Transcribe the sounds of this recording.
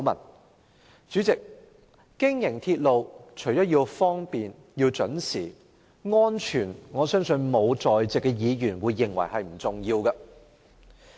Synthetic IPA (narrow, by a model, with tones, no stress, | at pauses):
wmɐ̰˨˩n | t͡ʃyː˨˥t͡sɪ˨k̚ | kɪ˥ŋjɪ˨˩ŋt̪ʰiː˧t̚lo˨˧wt͡ʃʰɵ˨˩jt͡ʃɔː˨˥ji˧wfɔː˥ŋpiː˨n | jiː˧wt͡ʃɵ˨˥nsiː˨˩ | ŋɔː˥nt͡ʃʰyː˨˩nŋɔː˨˧sœː˥ŋsɵ˧nmo˨˧wt͡sɔː˨jt͡sɪ˨kːɛ˧jiː˨˧jyː˨˩nwuː˨˧jːɪ˨ŋwɐ̰˨˩jhɐ˨jm̩˨˩t͡sʊ˨ŋjiː˧wkɐ˧